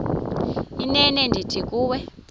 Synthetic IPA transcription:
inɛnɛndʱitʰik̬ʼuːwɛ

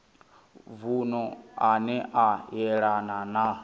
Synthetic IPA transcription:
vunɔanɛʔajɛɺanana

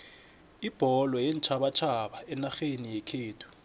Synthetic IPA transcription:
ib̥ʱɔlɔjɛnt͡ʃʰaɓat͡ʃʰaɓaɛnaxenijɛkʰeːtʰu̥

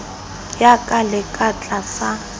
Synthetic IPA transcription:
jakʼalɪkʼat͡ɬʼasa

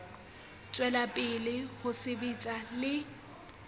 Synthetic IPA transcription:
t͡sʼwɛlapʼɪlɪhʊsɪbet͡sʼalɪ

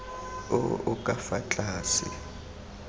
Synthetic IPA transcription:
ɔʊkʼafat͡ɬʼaːsḭ

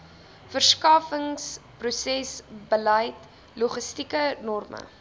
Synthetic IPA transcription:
fərskɑːfəŋsprusɛsbələjt | luχəstikənɔrmə̰

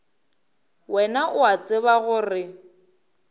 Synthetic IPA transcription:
wɛnaʔʊat͡sʼɪβaɣʊrɪ

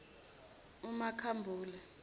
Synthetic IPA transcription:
umakʰambʱuːlɛ

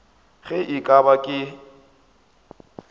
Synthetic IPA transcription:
ɣɛʔikʼabakʼɪ

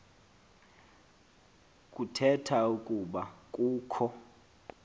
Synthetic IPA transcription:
kʼutʰɛtʰaukʼuɓakʼuːkʰɔ

